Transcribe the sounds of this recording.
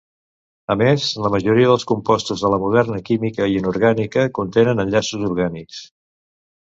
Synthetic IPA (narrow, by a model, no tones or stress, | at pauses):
əmezləməʒuɾiəðəlˠskumpɔst̪uzðələmuð̞ɛrnəkimikəiənuɾɣanikəkunt̪enənəʎasuzuɾɣaniks